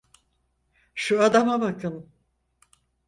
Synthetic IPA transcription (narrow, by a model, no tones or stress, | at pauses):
ʃuad̪amabakɯn